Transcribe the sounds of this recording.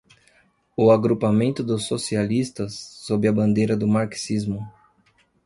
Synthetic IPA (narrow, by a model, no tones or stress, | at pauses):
ʊaɡɾupamẽnt̪ʊd̪ʊsːosialist̪ɐsːobɾɪɐbɐ̃nd̪ejɾɐd̪ʊmaɾksizmʊ